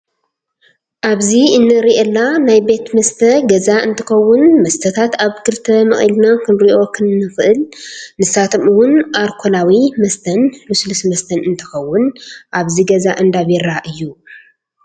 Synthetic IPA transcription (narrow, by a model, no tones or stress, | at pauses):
ʔaβziɨnːɨɾiʔelːanajbe̞t̪mɐst̪ʰɐɡɐzaɨnt̪ʰɨxɐwːʊnmɐst̪ʰɐt̪ʰat̪aβkʰɨɾt̪ʰɐmɨχʼḭlnakʰɨnɾiʔo̞kʰɨnːɨxʔɨlnɨsat̪ʰomɨwʊnʔaɾkʰolawimɐst̪ʰɐnluslɨsmɐst̪ʰɐnɨnt̪ʰɨxɐwːʊnʔaβziɡɐzaʔɨnd̪aβɛɾaʔɨjːu